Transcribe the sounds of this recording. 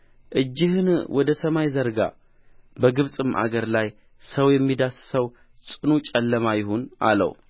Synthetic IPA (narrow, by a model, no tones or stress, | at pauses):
ʔɨd͡ʒːɪhɨnwʔɔd̪əsəmajzəɾɡa̰ | bəɡɨβsʼɨmʔa̰ɡəɾlaj | səwjɛmːid̪assəw | sʼɨnut͡ʃʼɛlːəmajɪhuna̰lə̰w